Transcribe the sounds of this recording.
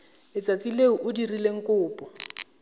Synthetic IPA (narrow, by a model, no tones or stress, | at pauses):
ɪt͡sʼat͡sʼileʊʔʊdirileŋ̩kʼʊːpʼɔ